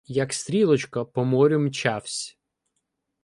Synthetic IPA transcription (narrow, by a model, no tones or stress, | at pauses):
jɐkst̪ɾʲilˠɔt͡ʃkɐpɔmɔɾʲʊmt͡ʃawsʲ